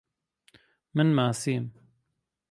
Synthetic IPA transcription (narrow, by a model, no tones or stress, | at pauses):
mɪnmaːsiːn